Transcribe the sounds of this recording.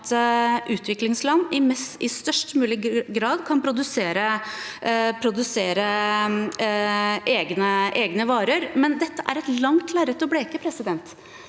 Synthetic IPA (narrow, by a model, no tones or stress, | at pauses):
t̪ʔʉːt̪ʰʋɪklɪŋslɑnːɪmɛsɪst̪œʂʈmʉːlɪɡɾɑːd̪kʰɑnpʰɾʊd̪ʉseːɾə | pʰɾʊd̪ʉseːɾə | ʔeːɡnəʔeːɡnəʋɑːɾəɾmɛnd̪ɛt̪ːəʔæɾɛt̪lɑŋt̪ʰlæːɾət̪ɔbɽeːkəpʰɾɛsɪd̪ɛnt̪